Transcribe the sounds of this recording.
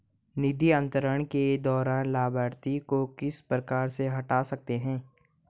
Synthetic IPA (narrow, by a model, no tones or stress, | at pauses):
nɪd̪ʱiɐ̃nt̪əɾəɳ̃ked̪ɔːɾaːnlaːbaːɾt̪ikokɪspɾəkaːɾseɦɐʈaːsɐk̚t̪eɦɛ̃ː